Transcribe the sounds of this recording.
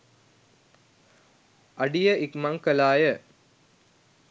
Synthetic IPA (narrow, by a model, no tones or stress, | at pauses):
ɐɖijəʔikmaŋkəlaːjə